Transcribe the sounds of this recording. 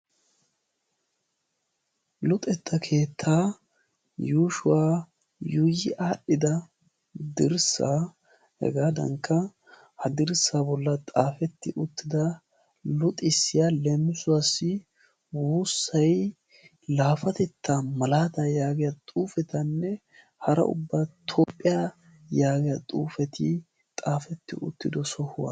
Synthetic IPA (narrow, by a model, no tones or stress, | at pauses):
lʊt̪ʼɛt̪ʰːɐkʰe̞ːt̪ʰːaː | juːʃʊwaː | jʊjɪʔaːɗɪd̪ɐ | d̪ɪɾsa̰ː | hɛ̰ɡaːd̪ɐ̰ŋkːɐ | hɐd̪ɪɾsaːbɔlːɐt̪ʼaːfɛt̪ːɪʔʊt̪ːɪd̪ɐ | lʊt̪ʼɪsːɪjalɛmɪsʊwasːɪ | wuːsːɐj | laːfɐt̪ɛt̪ʰːamɐlaːd̪ajaːɡɪjat̪ʼuːfɛt̪ɐnːɛ | hɐɾɐ̰ʔʊ̰bːaːt̪ʰɔːpʼːɪja | jaːɡɪjat̪ʼṵːfɛt̪ɪ̰ | t̪ʼaːfɛt̪ːɪ̰ʔʊ̰t̪ːɪd̪ɔsɔhʊwa̰